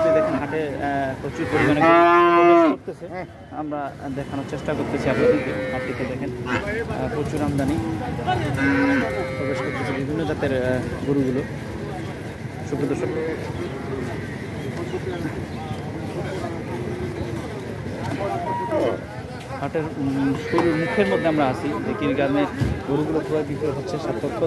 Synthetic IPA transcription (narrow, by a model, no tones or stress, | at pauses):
t̪ed̪ɛkʰenɦaʈepɾot͡ɕuɾkoɾimanekepɾobeʃkkoɾt̪et͡ɕʰe | amɾad̪ɛkʰanoɾt͡ɕeʃʈakoɾt̪et͡ɕʰiabeikeapʈiked̪ɛkʰen | pɾot͡ɕuɾamd̪ʱani | pɾobeʃkoɾt̪et͡ɕʰebibʱinːod͡ʑat̪eɾɡoɾuɡulo | ʃukɾod̪oɾʃok | haʈeɾkuɾumukʰeɾmod̪ʱːeamɾaasʰid͡ʑekiɾɡɾameɡoɾuɡulopɾojɡit̪oɦotːɕʰeʃat̪ːot̪ʰːo